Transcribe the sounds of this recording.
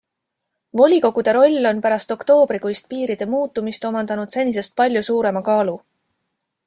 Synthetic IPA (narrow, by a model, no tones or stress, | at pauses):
vo̞lʲiko̞ɡ̥ud̪̥e̞ɾo̞lʲːo̞npæɾɑst̪o̞kt̪o̞ːb̥ɾikujst̪̚piːɾid̪̥e̞muːt̪ːˑumist̪o̞mɑnd̪ɑnud̪se̞nʲːis̬e̞st̪̚pɑlʲjusuːɾe̞mɑkɑːlu